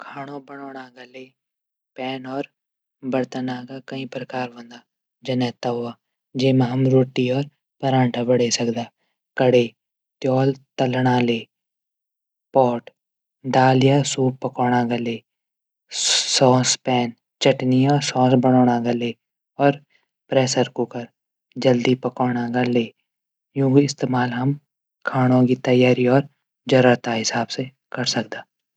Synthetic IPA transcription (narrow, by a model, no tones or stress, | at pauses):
kʰaːɽ̃õbɐɽoːɽ̃aɡɐleː | pɛːnɔːɾ | bɐɾt̪ənaːkakɐĩpɾɐkaːɾʋõːnd̪aː | d͡ʒɐnɛːt̪aɦʊaː | d͡ʒeːmãɦɐmɾoːʈːiɔːɾ | pɐɾãːɳʈʰabɐɽesɐkd̪aː | kəɽe | t̪jɔːlt̪əlɽ̃aːleː | pɔːʈ | d̪aːlɪjasuːppɐkɔːɽ̃aɡaleː | sɔ̃ːspɛːn | t͡ʃɐʈnijasɔ̃ːsbɐɽoːɽ̃aɡaleː | ɔːɾ | pɾɛːsəɾkukɐɾ | d͡ʒɐld̪ipɐkɔːɽ̃aɡaleː | jũːkiɪst̪eːmaːlɦɐm | kʰaːɽ̃õkit̪ɐjaːɾiɔːɾ | d͡ʒɐɾəɾt̪aɦɪsaːbse | kɐɾsɐk̚d̪aː